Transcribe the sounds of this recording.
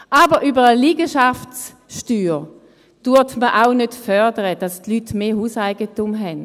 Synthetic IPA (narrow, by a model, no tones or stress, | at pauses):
ʔaːbəʁʔybəʁəliːɡəʃafts | ʃtyːʁ | d̥uɐtməʔaʊnødfœɐdəʁəd̥astlytmeːhuːsaɪɡətumɦɛn